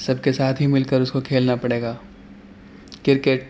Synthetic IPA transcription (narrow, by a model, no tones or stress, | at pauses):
sɐbkesaːt̪ʰɦimɪlkəɾʊskokʰeːlnapɐɽeːɡaː | kɪɾkeʈ